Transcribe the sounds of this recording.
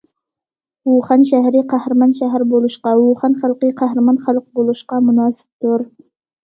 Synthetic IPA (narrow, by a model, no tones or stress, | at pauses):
uχɑnʃæɦɾɪqʰæhɾɨmɑnʃæɦæɾbolˠuʃqɑwuχɑnχɑlˠqɨqʰæɦɾɪmɑnχɑlˠq̚bolˠuʃqɑmʊnɑːsɪ̥p̚t̪ʊɾ